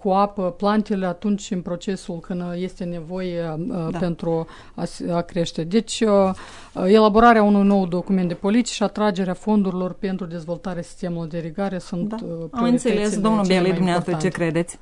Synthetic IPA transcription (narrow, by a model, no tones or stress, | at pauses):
kuapəplant̪eleat̪unt͡ʃʲɨnpɾo̞t͡ʃe̞sulkɨnd̪je̞st̪e̞ne̞vo̞jepe̞nt̪ɾu | asakɾe̞ʃt̪e̞d̪e̞t͡ʃʲ | e̞labo̞ɾaɾeaunujno̞wd̪o̞kument̪d̪epo̞lit̪i̥ʃiat̪ɾad͡ʒe̞ɾeafo̞nd̪uɾilo̞rpe̞nt̪ɾud̪e̞zvo̞lt̪aɾeasi̥st̪e̞mulurd̪eɾiɡaɾe̞sunt̪amɨnt̪selesd̪omnulbelid̪umneast̪ɾt͡ʃekɾed̪e̞t̪sʲ